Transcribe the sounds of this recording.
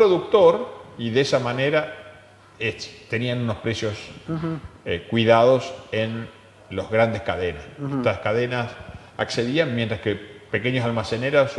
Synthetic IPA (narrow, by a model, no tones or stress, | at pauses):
pɾoðuk̚t̪o̞ɾiðesamane̞ɾa | et̪e̞nianuno̞spɾe̞sjo̞s | kwiðaðo̞sen | lo̞zɣɾand̪eskaðenaset̪askaðenas | a̰kse̞ðianmjent̪ɾaskepeke̞ɲosalmaseneɾos